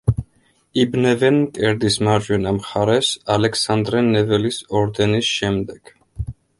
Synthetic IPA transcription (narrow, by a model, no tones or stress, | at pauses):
ibnɛvɛnmkʼɛɾd̪ismaɾd͡ʒwɛnamχaɾɛsalɛksand̪ɾɛnɛvɛlisɔɾd̪ɛnisʃɛmd̪ɛɡ̥